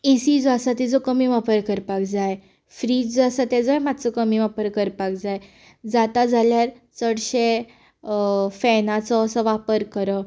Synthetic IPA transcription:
esid͡zɔasat̪id͡zɔkəmiʋapəɾkəɾpakd͡zaj | fɾiːd͡zasat̪ɛd͡zɔjmad̪ʱt͡səkəmiʋapəɾkəɾpak̚d͡zaj | d͡zat̪ad͡zʱaljaɾ | t͡səɽɕe | fɛnat͡sɔəsəʋapəɾkəɾə

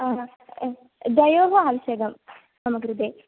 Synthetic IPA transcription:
d̪ɐjoːɦoaːʋiʃeɡɐm | nɐmɐɡɾud̪e

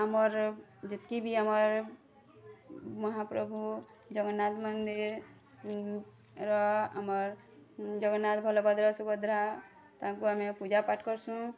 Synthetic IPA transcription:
amɔɾ | d͡ʒet̪kibʱiamɔɾ | mɔɦapɾɔbʱu | d͡ʒɔɡɔnːat̪mɔnd̪iɾ | ɾɔa̰mɔɾ | d͡ʒɔɡɔnːat̪bʱɔlɔbad̪ɾɔsubɔd̪ɾa | t̪ãkuamepud͡ʒapaʈkɔɾsũ

